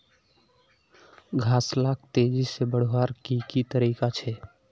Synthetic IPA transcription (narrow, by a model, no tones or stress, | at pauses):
ɡʱaslak̚t̪ed͡ʒisebəɽ̤waɾkikit̪əɾikat͡ʃʰɛ